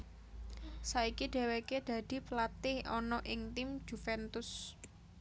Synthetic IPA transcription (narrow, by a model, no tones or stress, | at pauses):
saikiɖ̪̥ɛ̤weked̪̥ä̤d̪̥i̤plat̪ɪhɔnɔʔɪŋt̪ɪm̥ʒ̥ṳfɛnt̪ʊs